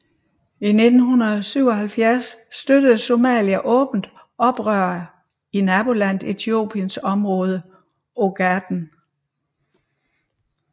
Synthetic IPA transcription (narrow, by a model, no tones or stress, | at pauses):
ine̝d̥n̩ɦunɐð̩ˠsyʊ̰ɒ̽ɦælfjæɐsːd̥ød̥əð̩ˠso̝mɛ̰ːliæʔɔ̽ːb̥n̩d̥ | ʔɒ̽b̥ʁœɐ | inæb̥o̝læn̰d̥e̝t͡sʰio̝̰ːb̥ʰiənsɒ̽mʁɔ̽ːð̞ˠə | o̝ɡ̥æd̥n̩